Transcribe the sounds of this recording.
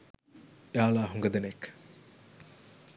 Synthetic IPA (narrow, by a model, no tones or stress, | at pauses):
eaːlaːɦuŋɡɐd̪enek